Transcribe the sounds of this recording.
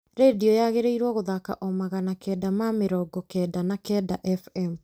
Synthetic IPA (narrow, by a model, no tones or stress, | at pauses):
ɾediɔjaɣeɾeiɾwɔɣoðaka̰ʔɔmaɣanakɛdamameɾɔːɡɔkɛdanakɛdaʔɛfɛm